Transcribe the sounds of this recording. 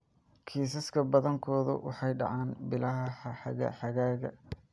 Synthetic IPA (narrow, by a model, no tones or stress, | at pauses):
kʰiːs̬ɐskʰɐbɐðɐŋkʰɔːðʊ̰wʔɑ̰ħɑjɖɑ̰ʕɑːnbɪlɐɦɐħɑħɑɣɐ̰ħɑɣaːɣɐ̰